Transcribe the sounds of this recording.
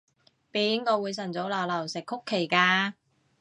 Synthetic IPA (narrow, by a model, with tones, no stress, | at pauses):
piː˨˧˥nkɔː˧wuː˨˧jsɐ˨˩nt͡so˨˥wlɐː˨˩wlɐ˨˩wsɪ˨kʰːʊ˥kʰːe˨˩jkaː˧